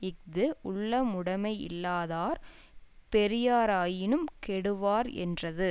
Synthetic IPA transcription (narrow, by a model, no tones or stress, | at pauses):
ɪk̚d̪ɯʔʊɭːɐmʊɽɐmɐɪɪ̰lːaːðaːɾ | pɛɾɪjaːɾaːjɪnɯmkɛɽɯʋaːɾɛ̰ndrɐðɯ